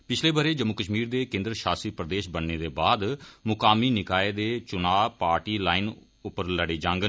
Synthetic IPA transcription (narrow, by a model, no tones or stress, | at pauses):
pɪt͡ʃʰleːbəɾeːd͡ʒəmːukəʃmiːɾd̪eːkẽːnd̪ɾʃaːsipɾəd̪eːʃbənneːd̪eːbaːd̪mʊkaːmiːnɪkaːeːd̪eːt͡ʃʊnaːpaːɾʈiːlaːɪn | ʊpːəɾləɽeːd͡ʒãːŋɡə